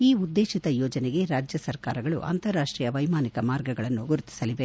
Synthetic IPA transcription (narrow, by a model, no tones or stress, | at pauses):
iːud̪ːe̞ːʃit̪ɐjɔːd͡ʒɐneɡe̞ɾaːd͡ʒjɐsɐɾkaːɾɐɡɐɭṵʔɐ̰nt̪ɐɾːaːʂʈɾiːjɐʋɐjmaːnikɐmaːɾɡɐɡɐɭɐnːuɡuɾut̪i̥sɐliʋe̞